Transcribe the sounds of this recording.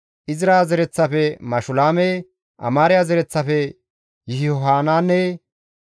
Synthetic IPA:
ʔɪzɪɾaːzɛɾɛt͡sːɐfɛmɐʃʊlaːmɛ | ʔɐ̰maːɾɪjazɛɾɛt͡sːɐfɛ | jɪhɪhɔɦaːnaːnːɛ

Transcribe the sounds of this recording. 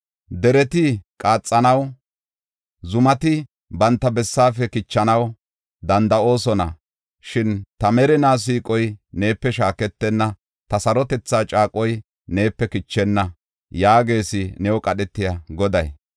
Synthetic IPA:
d̪ɛɾɛt̪ɪkʼaːt͡sʼːɐnɐw | zʊmɐt̪ɪ | bɐnt̪ːɐbɛsːaːfɛkɪt͡ʃːɐnɐw | d̪ɐnd̪ɐo̞ːsɔnɐ̰ | ʃɪnt̪ɐmɛɾɛnaːs̬iːkʼɔjne̞ːpːɛʃaːkɛt̪ːɛnːɐ | t̪ɐsɐɾɔt̪ɛt͡sːaːt͡ʃʼaːkʼɔj | ne̞ːpːɛkɪt͡ʃːɛnːɐ | jaːɡe̞ːsɪnɛwɔkʼɐɗɛt̪ːɪjaɡɔd̪ɐj

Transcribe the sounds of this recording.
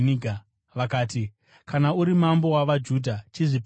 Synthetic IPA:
niɡʱa | ʋakaːti | kanauɾimambo̞waʋad͡ʒudʱat͡ʃiʐip

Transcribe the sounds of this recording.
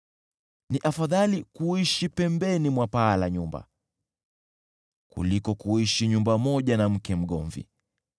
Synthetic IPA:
niʔafaðalikuiʃipɛmbɛnimwapaːlaɲumba̰ | kṵlikɔkuiʃiɲumbamɔʄanam̩kɛm̩ɠɔɱvḭ

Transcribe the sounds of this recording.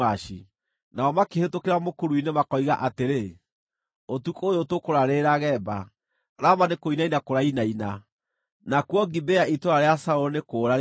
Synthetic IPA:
aʃi | naɔmakehetokeɾamokoɾuinemakɔiɣaʔateɾe | otukojotokoɾaɾeɾaɣɛːba | ɾamanekoinainakoɾainaina | nakwɔɡibɛaitoɾaɾeasauɔnekoːɾa

